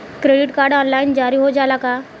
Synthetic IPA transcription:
kɾeɽiʈkaɾɖɔnlaind͡ʑaɾiːɦod͡zalaka

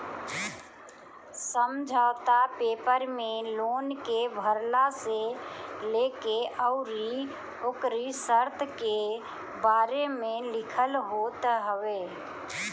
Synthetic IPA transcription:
səmd͡ʒʱaːt̪apeːpəɾmeloːnkebʱəɾlaselekeʔəʊɾi | oːkɾisəɾt̪ʰke | baːɾemelɪkʰəlɦoːt̪ɦəwe

